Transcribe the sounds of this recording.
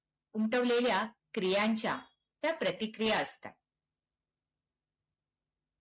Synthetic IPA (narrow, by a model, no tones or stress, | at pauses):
umʈəʋleljakɾijaɲt͡ɕja̰ | t̪japɾət̪ikɾijaəst̪a̰